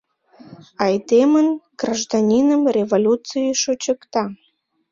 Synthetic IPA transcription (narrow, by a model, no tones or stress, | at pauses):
ɑjd̪emənɡ̥raʒd̪anʲinəmrʲevolʲut͡sɨjiʃot͡ɕəkt̪ɑ